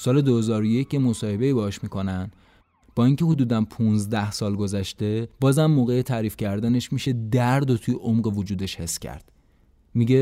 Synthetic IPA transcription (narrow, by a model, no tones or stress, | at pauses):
sɒːle̞d̪ohe̞zɒːɾoje̞cʰjemo̞sɒːhe̞be̞iːbehɒʃmikʰonænd̪ | b̥ɒːiŋcʰe̞hod̪uːd̪ænpʰunzd̪æhsɒːlɡozæʃt̪e̞bɒːzæmːoːɣejet̪ʰæːɾiːfcʰæɾd̪æne̞ʃmiʃe̞d̪æɾd̪ot̪ʰujeʔomɢe̞vod͡ʒuːd̪e̞ʃhe̞sːcʰæ̰ɾd̪̥ | miɟe